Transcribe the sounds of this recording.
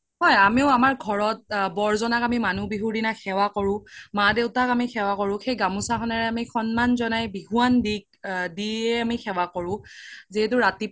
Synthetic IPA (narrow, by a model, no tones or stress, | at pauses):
hɔjamiʊamaɹɡʱɔɹɔt̚bɔɹzɔnakamimanubiɦudinaxɛwakɔɹʊ̃madeʊtakamixɛwakɔɹʊ̃xejɡamũsaxɔnaɹɛamixɔnmanzɔnajbiɦuandik̚diɛamixɛwakɔɹʊ̃ziɦɛt̬ʊɹati